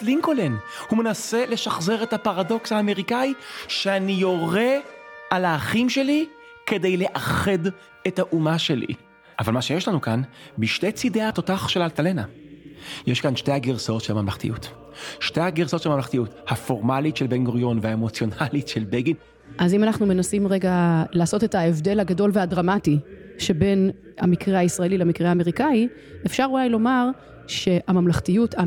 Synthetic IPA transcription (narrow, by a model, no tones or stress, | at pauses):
liŋkolenhume̞nase̞le̞ʃaχze̞ʁethapaʁado̞kshaːme̞ʁikaiʃeanijo̞ʁe̞alaːχimʃe̞li | ke̞de̞jle̞ʔaχed | ethaʔumaʃe̞lḭ | ʔavalmaʃejeʃlanukanbiʃte̞jt͡sideato̞taχʃelaltalena | jeʃkanʃte̞jhaɡiʁso̞tʃelmamlaχtḭjut | ʃtejhaɡiʁsotʃelamamlaχtijuthafo̞ʁmalitʃelbenɡoʁjo̞nveaemo̞t͡sjo̞nalitʃe̞lbelɡin | ʔazimanaχnume̞nasimʁe̞ɡalaːso̞te̞taevde̞lhaɡado̞lveɦadʁamatiʃe̞be̞n | amikʁeaisʁaelileamikʁeaːme̞ʁikai | efʃaʁulajlo̞maʁ | ʃe̞ʔamamlaχtijutʰa